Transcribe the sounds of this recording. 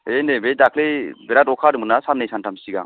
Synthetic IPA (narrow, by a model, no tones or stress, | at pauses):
enebedakʰlebɛɾatɔkʰaɾɯmɯnasanːejsantʰamsiɡa̰ŋ